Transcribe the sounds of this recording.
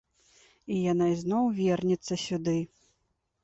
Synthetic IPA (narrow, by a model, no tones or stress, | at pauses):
ijanaiznɔwvʲɛrnʲɛt̪sːɐsʲud̪ɨ